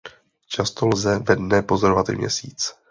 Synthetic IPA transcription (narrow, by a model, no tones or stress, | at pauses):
t͡ʃast̪o̞lzɛvɛdnɛpo̞zoɾovat̪ḭmɲɛ̰sḭːt͡s